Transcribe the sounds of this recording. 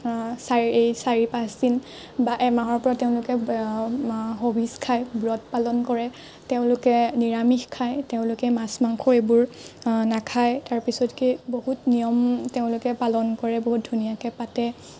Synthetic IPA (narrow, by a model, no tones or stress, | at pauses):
saejsaɹipasin | baʔɛmaɦɔɹpɔɹateʊ̃lʊkɛ | ɦobʱiskʰajbɹɔt̚palɔnkɔɹɛ | teʊ̃lʊkɛniɹamixkʰajteʊ̃lʊkɛmasmaŋxʰɔɹebʊɹnakʰajtaɹpisɔtkiboɦutnijɔmteʊ̃lʊkɛpalɔnkɔɹɛboɦut̚dʱunijakɛpatɛ